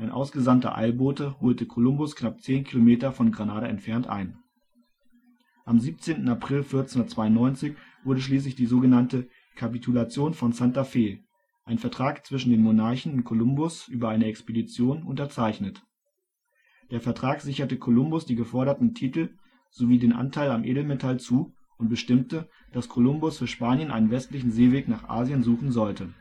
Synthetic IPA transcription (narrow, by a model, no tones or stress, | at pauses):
ʔaɪnʔa̰ʊsɡ̥əzantɐ̰ʔa̰ɪlboːtəhoːltəkʰolʊmbʊsknap̚t͡seːnkʰilomeːtɐfɔnɡʁanaːɾɐɛ̰ntfɛɐntʔa̰ɪn | ʔamziːp̚t͡seːntn̩apʁ̥ɪlfɪɐt͡snhʊndɐtt͡sv̥aɪʊnɔʏnt͡sɪç | v̥ʊɐɾəʃliːs̬lɪçd̥iːzoːɡənantə | kʰapitʰulat͡sjoːnfɔnsantafeː | ʔaɪnfɛɐtʁ̥aːkt͡sv̥ɪʃn̩deːnmonaɐçn̩ʊntkʰolʊmbʊsʔyːbɐaɪnəɛkspedit͡sjoːnʔʊntɐt͡saɪçnət | d̥eːɐfɛɐtʁ̥aːkz̥ɪçɐtəkʰolʊmbʊsd̥iːɡəfɔɐɾɐtn̩tʰiːtl̩ | z̥oviːdeːnʔa̰ntʰaɪlamʔeːdl̩metʰalt͡suː | ʔʊnt̚b̥əʃtɪmtə | d̥askʰolʊmbʊsfyːɐʃpaːnjənʔa̰ɪnənvɛstlɪçn̩zeːveːknaːχʔa̰ːzjənzuːχn̩zɔltə